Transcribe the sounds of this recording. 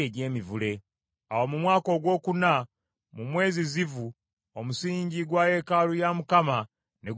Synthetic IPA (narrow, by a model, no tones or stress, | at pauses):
eɟe̞ːmivule̞ | a̰womumwaːko̞ːɡwo̞ːkuna | mumwe̞ːzizivu | omusiːɲɟiɡwaːje̞kaːlujamukama | neɡ